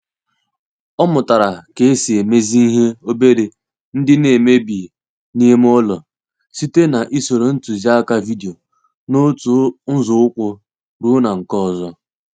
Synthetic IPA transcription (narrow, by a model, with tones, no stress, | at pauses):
ɔ˦mʊ˨ta˨ɾa˨ke˨e˦si˨e˨me˦zi˦i˦ɦe˦o˦be˦ɾe˨ | n̩˦dɪ˦ne˨me˦bi˨ | ni˦e˦m˦ɔ˦lɔ˨ | si˦te˦na˨ʔi˦so˨ɾo˨n̩˦tu˨za˦ka˦vi˦di˨o˨ | no˦tu˨n̩˦zʊ˨˦ʊ˦kʷʊ˦ | ɾu˦na˨ŋ̩˨kɔ˦˨zɔ˦